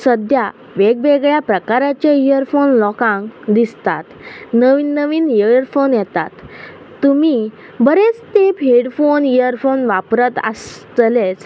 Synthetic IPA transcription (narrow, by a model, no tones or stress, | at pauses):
səd̪ja | ʋeɡ̚beɡɭjapɾəkaɾat͡ɕeijəɾfonlɔkãŋkd̪ist̪at̪nəʋiːnːəʋiːnijəəɾfonjɛt̪a̰t̪ː | umi | bəɾet͡st̪epeɽfonijəɾfonʋapɾət̪ə̰st̪let͡s